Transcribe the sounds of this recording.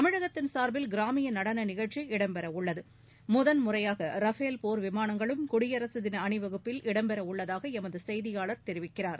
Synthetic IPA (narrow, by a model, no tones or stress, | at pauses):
t̪ɐmɪɻɐɣɐt̪ːɪnsaːɾbɪlɡɪɾaːmɪjɐnɐɽɐnɐnɪɣɐɻt͡ʃːiɪɽɐmbɛɾɐʊɭːɐðɯ | mʊðɐnmʊrɐjaːɣɐɾɐfeːlpoːɾʋɪmaːnɐŋɡɐɭɯmkʊɽɪjɐɾɐsɯðɪnɐɳɪʋɐɣɯpːɪlʔɪɽɐmpɛɾɐʊɭːɐðaːɣɐɛmɐðɯsɛjðɪjaːɭɐɾt̪ɛɾɪʋɪkːɪraːɾ